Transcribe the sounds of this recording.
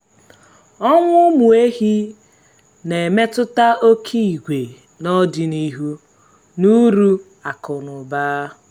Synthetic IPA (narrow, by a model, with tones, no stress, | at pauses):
ɔ˦ŋʷʊ˦mu˨e˦ɦi˦ | ne˨e˨me˦tʊ˦ta˦o˦kʰi˦i˨ɡʷe˨ | nɔ˦dɪ˨ni˦ɦu˦ | nu˦ɾu˦ | a˨kʊ˨nʊ˨baː˦